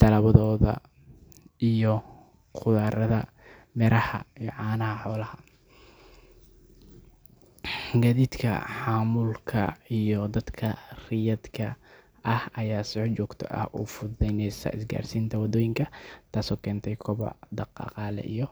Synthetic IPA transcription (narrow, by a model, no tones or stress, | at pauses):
t̪ʰɐlɐβɐðɔːðɐ̰ | ʔijɔ | qʰʊðaːɾɐðɐ̰ | mɛɾʔɐhɐ̰ijɔʕɑːnɐhɐħɔːlɐhɐ | ɡɐðiːd̪kʰɐ̰ħɑːmuːlkʰɐ̰ijɔd̪ɐd̪kʰɐrɪjɐd̪kʰɐ | ɐhɐjaːsɪħt͡ʃɔːɡt̪ʰɔ̰ʔɐ̰hʔṵːfʊɛjnɛjsɐ̰ʔɪsɡa̰ːrsiːnt̪ʰɐwɐd̪ɔːjɪŋkʰɐt̪ʰaːsɔːkʰɛːnt̪ʰɛjkʰɔβɔ̰ʕd̪ɑqɑ̰ːqɑːlɛ̰ʔijɔ